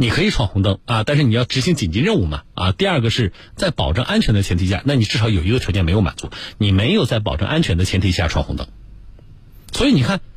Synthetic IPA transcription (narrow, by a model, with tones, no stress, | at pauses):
ni˨˩kʰɤ˧˥i˨˩ʈ͡ʂʰwɑ˥˩ŋxʊ˧˥ŋt̪ɤ˥˩˦ŋɐ˧t̪a˥˧nʂɻ̩˥˩ni˨˩jɑ˥˩ʊʈ͡ʂɻ̩˧˥ɕi˥ŋt͡ɕi˨˩nt͡ɕi˧˥ɻə˥˧u˥˩mɐ̰˩ɐ̰˧t̪i˥˧ɐ˞˥˩ɡə˩ʂɻ̩˥˩ | t͡sa˥˩ɪpɑ˨˩ʊʈ͡ʂɤ˥˧ŋʔa˥nt͡ɕʰɥɛ˧˥nd̪ə˧t͡ɕʰjɛ˧˥nt̪ʰi˨˩ɕja̰˥˩na˥˩ni˨˩ʈ͡ʂɻ̩˥˩ʂɑ˧˥ʊjo˨˩ʊi˧˥ɡət̪ʰjt͡ɕjɛ˥˩me˧˥ɪjo˧˥ʊma̰˨˩nt͡su˧˥ni˨˩me˧˥ɪjo˨˩ʊt͡sa˥˩ɪpɑ̰˨˩ʊʈ͡ʂɤ˥˧ŋʔa˥nt͡ɕʰɥɛ˧˥nd̪ə˧t͡ɕʰɛ˧˥nt̪ʰi˨˩ɕja˥˩ʈ͡ʂʰwɑ˥˩ŋxʊ˧˥ŋt̪ɤ̰˧˩˦ŋ | swɔ˧˥i˧˥ni˨˩kʰa˥˩n